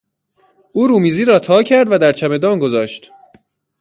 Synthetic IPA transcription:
ʔuːɾuːmiːziːɾɒːt̪ʰɒːcʰæɾd̪væd̪æɾt͡ʃʰæme̞d̪ɒːnɡo̞zɒːʃt̪

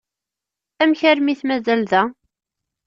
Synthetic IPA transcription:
æmçæɾmiθmæzælðæ

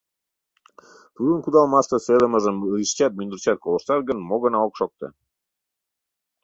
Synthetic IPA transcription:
t̪ud̪ənkud̪ɑlˠmɑst̪əselə̆mə̆zəmɾiʃt͡ɕæt̪̚mynd̪uɾt͡ɕæt̪̚kʰolˠoʃt̪ɑɾɡə̆nmoɡɤ̆nɑokʃok̚t̪ɤ̰

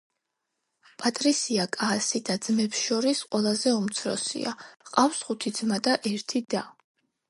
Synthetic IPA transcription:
pʼat̪ʼɾisiakʼaːsid̪ad̪z̥mɛpsʃɔɾisqʼwɛlˠazɛumt̪sʰɾɔ̰sḭa̰qʼafsχut̪ʰid̪zmad̪aʔɛɾt̪ʰid̪a

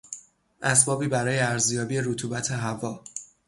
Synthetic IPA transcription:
ʔæsbɒːbiːbæɾɒːjeæɾzjɒːbije̞ɾut̪ʰuːbæt̪ʰe̞ɦævɒː

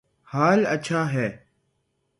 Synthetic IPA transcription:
haːlət͡ʃʰaːɦɛː

